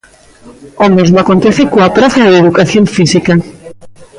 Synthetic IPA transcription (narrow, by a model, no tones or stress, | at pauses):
ɔmezmoakont̪eθekoapɾaθɐðeðukaθjoɱfisika